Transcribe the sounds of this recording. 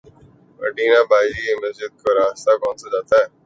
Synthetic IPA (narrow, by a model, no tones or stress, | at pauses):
ə̰ɖiːnaːbaːd͡ʒikiməsd͡ʒɪd̪̚koɾaːst̪akɔ̃ːnsad͡ʒaːt̪aɦɛː